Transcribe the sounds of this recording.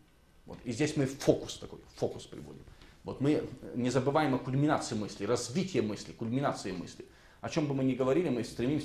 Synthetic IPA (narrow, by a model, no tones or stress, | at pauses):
vo̰t̪izʲdʲesʲmɨfo̞kʊ̥st̪ɐko̞̰jfo̞kʊspɾʲɪ̰vo̞̰dʲɪ̰mvo̞t̪mɨnʲɪzəbɨvajɪmɐkʊlʲmʲɪnat̪sɨɪmɨsʲlʲɪɾɐzvʲitʲɪjəmɨsʲlʲɪkʊlʲmʲɪnat̪sɨjɪmɨ̰sʲlʲɪ | ɐt͡ɕo̞mbɨmɨnʲɪɡəvɐɾʲilʲɪmɨst̪ɾʲɪmʲimsʲ